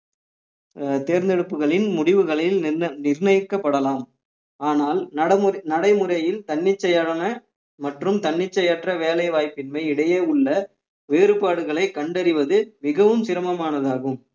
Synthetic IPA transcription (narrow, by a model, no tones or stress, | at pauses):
t̪eːɾnd̪ɛɽɯpːɯɣɐɭɪnmʊɽɪʋɯɣɐɭɪlnɪɾnɐjkːɐpːɐɽɐlaːm | aːnaːlɐnɐɽɐɪmɯrɐjɪlt̪ɐɳːɪt͡ʃːɐjɐɽɐnɐ | mɐʈrɯmt̪ɐɳːɪt͡ʃːɐjɐʈrɐʋeːlɐɪʋaːjpːɪnmɐɪɪɽɐjeːʊɭːɐ | ʋeːɾɯpaːɽɯɣɐɭɐɪkːɐɳɖɐɾɪʋɐðɯmɪɣɐʋɯmsɪɾɐmɐmaːnɐðaːɣɯm